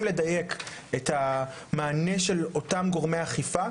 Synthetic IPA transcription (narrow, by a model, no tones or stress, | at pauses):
mle̞daje̞ketha | maːne̞ʃe̞lo̞tamɡo̞ʁmejaχifa